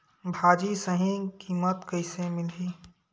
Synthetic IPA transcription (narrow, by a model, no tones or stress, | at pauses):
bʱaːd͡ʒisəɦĩkiːmət̪kəɪsemɪlɦiː